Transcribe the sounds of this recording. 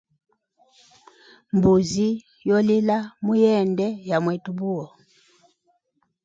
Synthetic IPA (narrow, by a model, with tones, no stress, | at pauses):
mbu˨zi˦ | jɔ˦li˦la˦mu˦jɛ˦˨ndɛ˦ja˨mwɛ˨tu˨bu˦ɔ˨